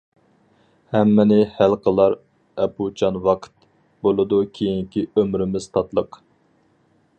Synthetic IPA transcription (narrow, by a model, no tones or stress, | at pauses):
hɛmːɪnɪhælqəlˠɑɾ | ɛpʰut͡ʃʰɑnwɑqʰt̪ | bolˠɨd̪ukʲʰejiŋkʲiømɾɪmɪz̥t̪ʰɑt̪lˠəq